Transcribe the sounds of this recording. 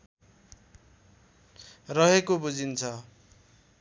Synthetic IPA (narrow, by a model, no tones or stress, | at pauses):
rʌɦekobud͡zint͡sʰʌ